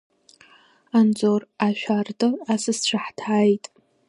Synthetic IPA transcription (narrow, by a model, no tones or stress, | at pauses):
and͡zoraʃᶣardɨasɨsʈ͡ʂʷʰaħtʰaːjtʼ